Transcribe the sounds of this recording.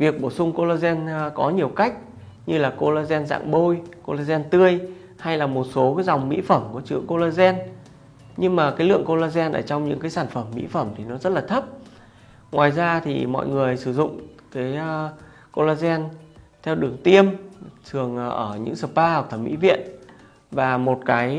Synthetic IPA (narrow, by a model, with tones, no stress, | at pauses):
vi˨˩ək̚ɓo˧˩sʊ˧ŋ͡mko˧laː˧zɛ˧nkɔ˨˦ɲi˨˩əwka˦˥jk̟̚ | ɲɨ˧laː˨˩ko˧laː˧zɛ˧nza̰ː˧˨ŋɓo˧jko˧laː˧zɛ˧nt̪ɨ˧əj | ha˧jlaː˨˩mo˨˩t̚so˨˦kaː˨˦jza˨˩wŋ͡mmḭ˧˥fə˧˩mku˧˩ət͡ɕɨ˨˦əŋko˧laː˧zɛ˧n | ɲɨ˧ŋmaː˨˩kaː˨˦jlɨ̰˧˨əŋko˧laː˧zɛ˧nʔə̰ː˧˩t͡ɕɔ˧wŋ͡mɲɨ̰˧˥ŋkaː˨˦jsaː˧˩nfə˧˩mːḭ˧˥fə˧˩mt̪ʰi˨˩nɔ˨˦zə˦˥t̚laː˨˩t̪ʰə˦˥p̚ | ŋwaː˨˩jzaː˧t̪ʰḭ˨˩mɔ̰˧˨jŋɨ˨˩əjsɨ˧˩zʊ̰˧˨ŋ͡mkaː˨˦j | ko˧laː˧zɛ˧n | t̪ʰɛ˧wɗɨ˨˩əŋt̪i˧əmt̪ʰɨ˨˩əŋʔʔəː˧˩ɲɨ̰˧˥ŋsəː˨˩paː˧hk̚t̪ʰə˧˩mḭ˧˥vḭ˧˨ən | vaː˨˩mo˨˩t̚kaː˨˦j